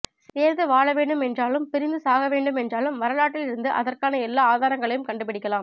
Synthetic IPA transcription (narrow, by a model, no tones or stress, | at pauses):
seːɾðɯʋaːɭɐʋeːɳɖɯmɛndraːlɯmpɪɾɪnd̪ɯsaːɣɐʋeːɳɖɯmɛndraːlɯmʋɐɾɐlaːʈːɪlɪɾɯnd̪ɯʔɐðɐrkaːnɐɛlːaːaːðaːɾɐŋɡɐɭɐjɯmkɐɳɖɯp̬ɪɽɪkːɐlaːm